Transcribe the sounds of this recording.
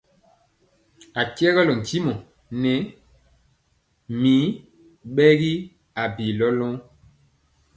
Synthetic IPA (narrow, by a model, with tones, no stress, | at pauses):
a˨kjɛ˦ɣɔ˦lɔ˨ŋ˨ki˦mɔ˨ | nɛ˨˦ | mi˨˦ | ɓɛ˦ɣi˦ | a˨bi˨lɔ˦lɔ̃˦